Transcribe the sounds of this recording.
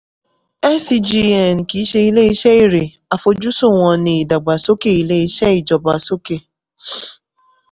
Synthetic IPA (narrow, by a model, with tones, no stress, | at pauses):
ɛ˦si˦d͡ʒi˦˧ɛ˦˨n˨ki˨˦ʃe˧i˦le˦i˦ʃɛ˦i˦˨ɾe˨ | a˨fo˧d͡ʒu˦so˦˨ŋ̃ɔ̃˧nĩ˨i˨da˨ɡ͡ba˨so˦ke˦˨i˨le˦i˦ʃɛ˦i˨d͡ʒɔ˨ba˨so˦ke˦˨